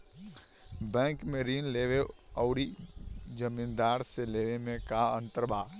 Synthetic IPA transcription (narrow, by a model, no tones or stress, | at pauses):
bɛ̃ːŋkmeɾiːnleːʋeɔːɽid͡ʒəmĩːnd̪aːɾseleːʋemẽkaə̃nt̪əɾbaː